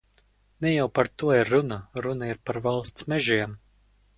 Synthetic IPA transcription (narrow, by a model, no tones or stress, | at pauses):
nɛjawpaɾt̪uɔiɾːunaɾunaiɾpaɾvalˠst̪smɛʒiɛm